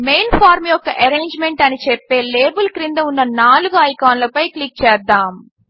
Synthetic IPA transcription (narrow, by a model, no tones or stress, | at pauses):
mejnfʰaːɾmjɔkːɐʔɐɾeːɲd͡ʒmeɳʈɐnit͡ʃɛpːe̞ːleːbɐlkɾind̪ɐunːɐnaːluɡuɐjkaːnlɐpɐjklik̚t͡ʃɛːd̪ːaːm